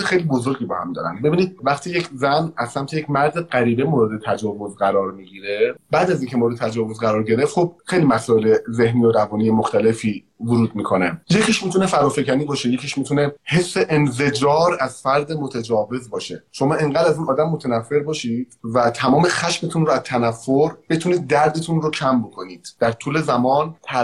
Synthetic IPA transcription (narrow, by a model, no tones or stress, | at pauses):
exejlibo̞zo̞ɾɟiːbɒhæ̰md̪ɒ̰ːɾæ̰nbe̞biːniːd̪̚væχt̪ʰiːje̞cʰzænæz̥sæmt̪ʰejecʰʲmæɾd̪eɢæɾiːbemoːɾe̞d̪e̞t̪ʰæd͡ʒɒːvo̞zɢæɾɒːɾmiɟiːɾe̞bæːd̪æziːŋcʰemoɾed̪et̪ʰæd͡ʒɒːvo̞zɡæɾɒːɾɟe̞ɾeft̪xob̚xejlimæsɒːeleze̞hnijoɾævɒːniːjemoxt̪ʰæle̞fiː | vuɾuːd̪̚miːkʰo̞neje̞cʰiʃmiːt̪ʰune̞fæɾɒːfe̞cʰæniːbɒːʃe̞je̞cʰiʃmit̪ʰune̞he̞sːe̞ʔenfe̞d͡ʒɒːɾæz̥fæɾd̪emot̪ʰæd͡ʒɒːve̞zbɒːʃe̞ʃo̞mɒːʔeŋɡæːd̪æziːnɒːd̪æmːot̪ʰænæfːe̞ɾbɒːʃid̪̥væt̪ʰæmɒːme̞xæʃmet̪ʰunɾoæzt̪ʰænæfːoɾb̥e̞t̪ʰuniːd̪̚ːæɾd̪et̪ʰunrocʰæmbo̞kʰoniːd̪̥ːæɾt̪ʰuːle̞zæmɒːnt̪ʰæ